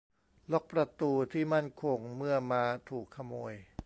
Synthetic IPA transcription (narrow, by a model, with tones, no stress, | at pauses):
lo˦˥k̚pɾa˧t̪uː˧t̪ʰiː˥˩ma˥˩nkʰo˧ŋmɯ˥˩ɐmaː˧t̪ʰuː˨˩kʰːa˧moː˧j